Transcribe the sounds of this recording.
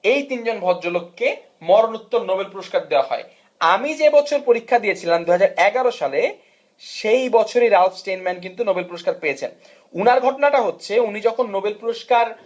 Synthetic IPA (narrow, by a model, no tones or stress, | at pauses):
ejt̪ind͡ʑonbʱɔdd͡ʑolokːe | mɔɾonut̪ːoɾnobelpuɾoʃkaɾd̪eoaɦɔ̰e | amid͡ʑebɔt͡ɕʰoɾpoɾikʰːad̪iet͡ɕʰilamd̪uɦad͡ʑaɾɛɡaɾoʃale | ʃejbɔt͡ɕʰoɾeɾalfsʈenmɛnk̬int̪unobelpuɾoʃkaɾpejet͡ɕʰen | unaɾɡʱɔʈonaʈaɦotːɕʰeunid͡ʑɔkʰonːobelpuɾoʃkaɾ